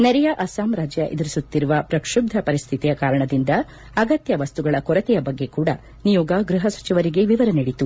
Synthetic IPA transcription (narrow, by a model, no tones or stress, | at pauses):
nɛɾɛjɐʔɐsaːmɾaːd͡ʒjɐʔḛd̪iɾisut̪ːiɾuʋɐpɾɐkʂub̚d̪ʱɐpɐɾist̪ʰit̪ijɐkaːɾɐɳɐd̪ind̪ɐː | ɡɐt̪jɐʋɐst̪uɡɐɭɐkɔɾɐt̪ɛjɐbɐɡːe̞kuːɽɐ | nijɔːɡɐɡɾuɦɐsɐ̥t͡ʃiʋɐɾiɡe̞ʋiʋɐɾɐniɽit̪u